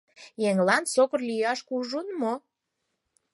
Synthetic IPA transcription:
jeŋlɑnsokərlyjɑʃkuʒunmo

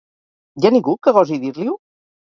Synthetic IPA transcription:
janĩŋɡukəɣɔziðiɾliu

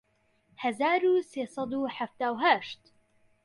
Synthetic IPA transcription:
hɐzaːɾuːseːsˤɑd̪uːħaft̪aːwɦaʃt̪

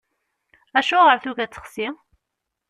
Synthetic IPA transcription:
æʃuʁəɾθuʝæt͡sːə̥χsi

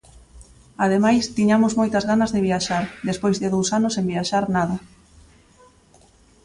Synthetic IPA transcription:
aðemajst̪iɲamʊzmojt̪ɐzɣanɐzðeβiaʃaɾd̪espojzðɪðowsanʊsẽmbiaʃaɾnaðɐ

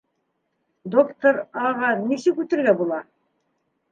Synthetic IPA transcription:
d̪okt̪oɾɑʁɑnisɘkʉt̪ɘ̆ɾɡæbulˠɑ

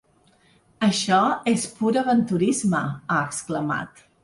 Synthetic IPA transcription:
əʃɔespuɾəβənt̪uɾizməaəkskləma̰t̪

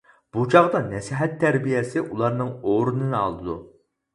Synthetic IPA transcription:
b̥ut͡ʃʰɑʁd̪ɑnɛsiɦɛt̪ʰːæɾbijɛsɪʔulˠɑɾnɨŋoɾɨnɨnɨɑ̰lˠd̪ɨd̪u

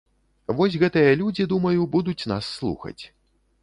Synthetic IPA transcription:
vɔs̬ʲɣɛt̪ɨjɐlʲud͡zʲid̪umɐjubud̪ut͡sʲnasːlˠṵxɐ̰t͡sʲ

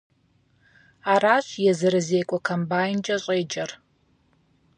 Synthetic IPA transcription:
aːraːɕjɛzɨɾɨzeːkʷʼɔkʰɐmbaːjnd͡ʒʼɐɕʼeːd͡ʒʼɐr

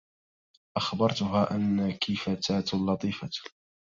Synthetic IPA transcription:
ʔaxbɑɾˤt̪ʊɦaːʔanːakʰifat̪aːt̪lːɑt̪ˤiːfa

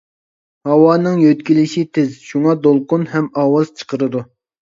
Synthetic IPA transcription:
hɑwɑːnɨŋjøt̪kʲilɪʃit̪ʰɪzʃuŋɑd̪olˠqʊnhɛmɑːwɑz̥t͡ʃʰə̥qʰəɾɨd̪u

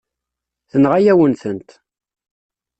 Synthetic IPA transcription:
θənʁajæwənθənt̪

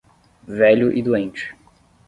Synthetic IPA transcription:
vɛʎʊʔid̪uẽnt͡ʃɪ̥

